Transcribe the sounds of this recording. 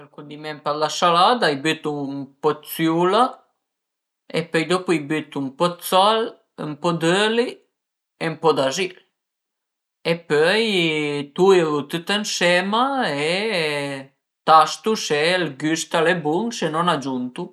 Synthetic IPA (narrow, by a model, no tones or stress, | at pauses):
əlkund̪imɛmpalasalaːd̪aajbyt̪umpɔt̪sjuːla | epøjd̪ɔpuajbyt̪umpɔt̪sal | əmpɔd̪øli | empɔd̪azil | epøjt̪uevut̪ut̪ənsɛːmae | t̪ast̪uselɡyst̪alebuŋsenɔnad͡ʒunt̪u